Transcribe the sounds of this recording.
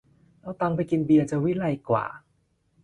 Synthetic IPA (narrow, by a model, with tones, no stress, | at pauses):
lwt̪a˧ŋpa˧jki˧nbi˧ɐt͡ɕa˨˩wi˦˥la˧jkwa̰ː˨˩